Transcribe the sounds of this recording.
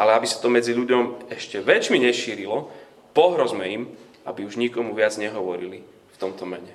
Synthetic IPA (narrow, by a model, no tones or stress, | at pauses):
ʔalɛabisḁt̪ɔmɛd͡ziʎuɟɔmɛʃcɛʋɛt͡ʃmiɲɛʃiːɾilɔ | pɔɦɾɔzmɛim | ʔa̰biuʒɲikɔmuʋɪad͡zɲɛɦɔʋɔɾili | ft̪ɔmt̪ɔmɛɲɛ